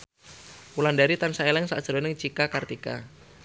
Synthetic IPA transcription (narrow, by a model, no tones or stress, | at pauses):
ulandaɾit̪ansaelɛŋsa̰ʔd̥ʒ̥əɾɔnɪŋt͡ʃikakart̪ika̰